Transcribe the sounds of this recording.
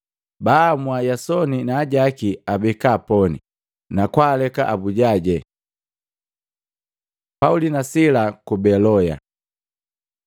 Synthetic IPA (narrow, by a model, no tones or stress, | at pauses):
bamwajasɔninaːɟakiabɛkaːpɔnḭ | nakwaːlɛka̰ʔabuɟaɟɛ | paulinasilakubɛlɔja̰